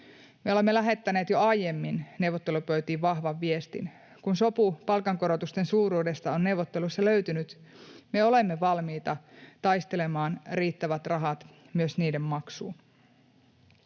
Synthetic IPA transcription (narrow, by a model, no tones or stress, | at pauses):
me̞o̞le̞mːelæɦe̞t̪ːæne̞ːt̪jo̞ɑjje̞mːinne̞wʋot̪ːe̞lupøɥt̪iːʋʋɑɦʋɑʋːie̞st̪ḭn | kunso̞pupɑlkɑŋko̞ɾo̞t̪ust̪e̞nsuːɾuːde̞st̪ɑo̞nne̞wʋot̪ːe̞lusːɑlø̞ɥt̪ynyt̪ | me̞o̞le̞mːe̞ʋɑlmiːt̪ɑt̪ɑjst̪e̞le̞mɑːnriːt̪ːæʋæt̪rɑɦɑt̪ | myøsniːde̞mmɑksuːn